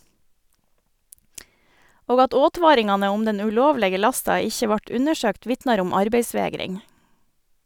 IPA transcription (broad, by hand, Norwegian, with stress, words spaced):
ˈoːɡ ˈɑt ˈoːˌtʋɑːɾɪŋɑnə ˈʊm ˈdɛn ʉˈloːʋlɛɡə ˈlɑstɑ ˈɪçə ˈʋɑʈ ˈʉnəˌʃøːkt ˈʋɪtnɑɾ ˈʊm ˈɑɾbeɪˌsʋeːɡɾɪŋ